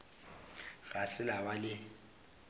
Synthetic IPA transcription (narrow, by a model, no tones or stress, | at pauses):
ɣasɪlawalɪ